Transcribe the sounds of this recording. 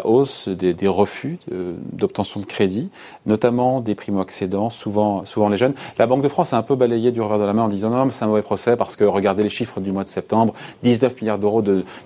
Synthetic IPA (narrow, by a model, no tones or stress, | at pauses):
aʔosd̪ed̪eʁəfyd̪ɔp̚t̪ɑ̃sjɔ̃d̪əkχed̪i | nɔt̪amɑ̃d̪epχimoaksed̪ɑ̃suvɑ̃suvɑ̃leʒœnlʔabɑ̃k̚d̪əfχɑ̃saɛ̃pøbalejed̪yʁəvɛʁd̪əlamɛ̃ɑ̃d̪izɑ̃nɔñmɛsɛt̪ɛ̃mɔvɛpχɔsɛpaʁsə̥kəʁəɡaʁd̪eleʃifχəd̪ymwad̪əsɛp̚t̪ɑ̃bʁd̪iznœfmiljaʁd̪əʁod̪ə